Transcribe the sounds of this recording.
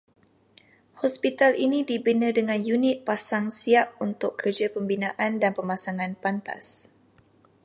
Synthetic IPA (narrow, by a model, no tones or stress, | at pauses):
hɔspit̪alinidibənədəŋãnjunɪt̪̚pasaŋsiap̚unt̪ʊkːʰərd͡ʒapəmbinãʔandanpəmasaŋãnpant̪a̰s